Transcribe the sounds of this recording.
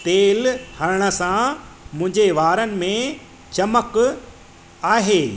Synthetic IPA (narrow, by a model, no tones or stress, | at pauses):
t̪eːlhɐɾɪɽ̃ə̆sãmʊ̃ɦɪ̃ɲd͡ʑeʋaːɾənɪ̆mẽ | t͡ɕɐmək | aːɦeː